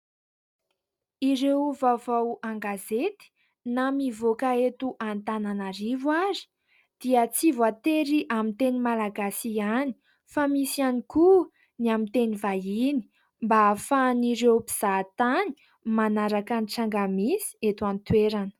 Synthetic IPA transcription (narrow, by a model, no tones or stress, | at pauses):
iɾewvavawaŋɡazet̪i̥ | namivokaet̪uʔant̪ananaɾivwaɾi̥ | d̪̥iət͡sivat̪eɾiʔamint̪enimalaɡasiani̥ | famisianiku | niamint̪enivajini̥ | mbafaniɾewpiz̥at̪ani̥ | manaɾakaniʈ͡ʂaŋɡamisi̥et̪uant̪weɾanə̥